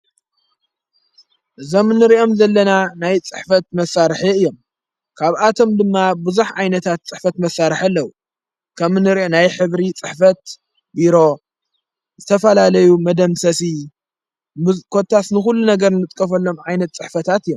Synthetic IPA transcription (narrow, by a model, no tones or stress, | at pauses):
ʔɨzo̞mnːɨɾiʔo̞mzɐlːɐnanajt͡sʼɨħfɐt̪̚mɐsːaɾɨħiɨjːo̞m | kʰaβʔat̪ʰo̞md̪ɨmːabɨzuħʕajnɐt̪ʰat̪t͡sʼɨħfɐt̪mɐsːaɾɨħalːɐwu | kʰɐmɨnɨɾʔonajħɨβɾit͡sʼɨħfɐt̪ | biɾo̞ | zɨt̪ʰɐfɐlalɐjumɐd̪ɐmsɐsi | kʰo̞t̪ʰːasnɨxulːunɐɡɐɾnɨt̪ʼkʼɐfɐlːo̞mʕajnɐt̪t͡sʼɨħfɐt̪ʰat̪ɨjːom